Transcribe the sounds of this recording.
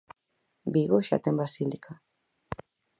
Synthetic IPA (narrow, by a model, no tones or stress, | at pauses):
biɣoʃa̰t̪embasilikʰa